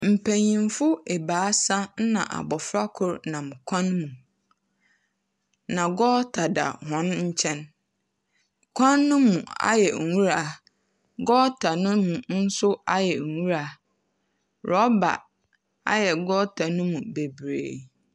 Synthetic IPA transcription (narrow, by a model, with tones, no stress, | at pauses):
m̩˨pʰæ̃˨ɲĩ˨m˦fʊ˦e˨baː˨˦sa˦n̩˦nã̰˨ʔa̰˨bɔ˨fɾa˦kʰʊ˦˨ɾnã˨m˨kʷʰã˦nmũ˨ | nã˨ɡɔː˦tʰa˨da̰˨hɔ̃˦nɲ̩˦t͡ɕʰɛ̃˦n | kʷʰã˦nːʊ̃˦mũ˨a̰˦jɛ̰˨wũ˦ɾa˦˨ | ɡɔː˦tʰa˨nʊ̃˦mũ˨n̩˦sʊ˦a˦jɛ˨ŋ̩˨wũ˦ɾa˨ | ɾɔ˦ba̰˨ | a̰˦jɛ˨ɡɔ˦tʰa˨nʊ̃˦mũ˨be˨bɾḛː˨